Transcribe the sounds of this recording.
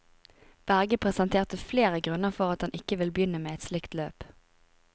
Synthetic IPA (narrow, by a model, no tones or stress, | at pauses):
b̥æʁɡəpʰʁɛsɛnt̪ʰeːʁt̪əfleːʁəɡʁʉnəʁfɔʁɑt̪hɑnʔɪkːəʋɪlbjʏnəmeːɛt̪slɪkt̪løːp